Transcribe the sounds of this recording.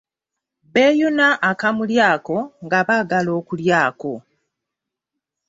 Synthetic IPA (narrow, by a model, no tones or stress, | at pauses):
βe̞ːjunaʔːkamuljaːko̞ŋɡaβaːɡalo̞ːkuljaːko̞